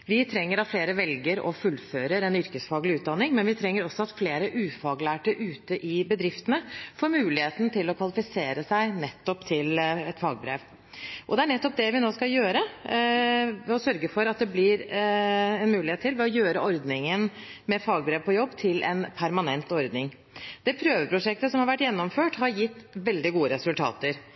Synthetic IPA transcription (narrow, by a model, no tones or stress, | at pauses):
ʋɪt̪ʰɾɛŋːəɾɑt̪fleːɾəʋɛlɡəɾɔ̰fʉlːføːɾəɾɛnʏɾkəsfɑːɡlɪʉːt̪̚d̪ɑnːɪŋmɛnʋɪt̪ʰɾɛŋːəɾɔsːɔɑt̪fleːɾəʔʉːfɑːɡlæːʈəʔʉːt̪əʔɪbəd̪ɾɪft̪ənəfoːɾmʉːlɪheːt̪nət̪ʰɪlɔkʰʋɑlɪfɪseːɾəsæɪnɛt̪ːɔpt̪ʰɪlɛt̪fɑːɡbɾḛːʋ | ʔɔd̪ɛæɳɛt̪ːɔp̚d̪ɛʋɪnoːskɑjøːɾə | ɔsœɾɡəfɔɾɑt̪̚d̪ɛblɪɾ | ɛnmʉːlɪheːt̪ʰːɪlʋɛɔjøːɾəɔɾd̪nɪŋən | mɛfɑːɡ̚bɾeːʋpʰɔjɔbːt̪ʰɪlʔɛ̰npʰæɾmɑnɛnt̪ɔɾd̪nɪŋ | d̪ɛːpʰɾøːʋəpʰɾʊʂɛk̚t̪əsɔmhɑɾʋæʈːjɛnːɔmføːʈhɑɾjɪt̪ːʋɛld̪ɪɡuːəɾɛsʉlt̪ʰɑ̰ːt̪əɾ